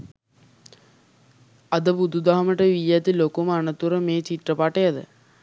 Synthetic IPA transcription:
ɐd̪əbud̪ud̪aɦɐməʈəʋijæt̪ilokuməanət̪uɾəmeːt͡ɕiʈrəpaʈejad̪ə̰

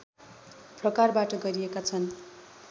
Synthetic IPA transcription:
prʌkarbaʈʌɡʌɾiekat͡sʰʌn

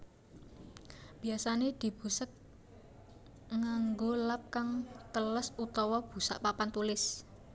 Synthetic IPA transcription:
b̥i̤asaned̪̥i̤b̥ṳsək̚ | ŋaŋɡolap̚kaŋt̪ələsut̪ɔwɔb̥ṳsa̰ʔpapant̪ulɪs

